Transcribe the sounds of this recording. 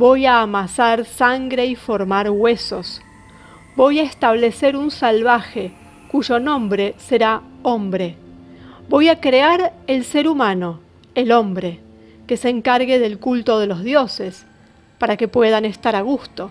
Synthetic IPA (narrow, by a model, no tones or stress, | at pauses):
bo̞jaːmasaɾsaŋɡɾe̞ifoɾmaɾɣwe̞so̞s | bo̞jaest̪aβ̞leseɾunsalβaxe | kuʒo̞nõ̞mbɾe̞seɾa | ombɾe̞ | bo̞jakɾeaɾelse̞ɾumano̞ | elo̞mbɾe | keseːŋkaɾɣeðe̞lkult̪o̞ð̞elo̞zðjo̞ses | paɾake̞pwe̞ð̞anest̪aɾaɣ̞ust̪o̞